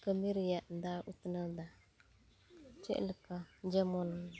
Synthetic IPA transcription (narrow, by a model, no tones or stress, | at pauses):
kamiɾijan̩daːʔutɨnada | t͡ʃɛ̰ʔlɨkad͡ʒɛmɔn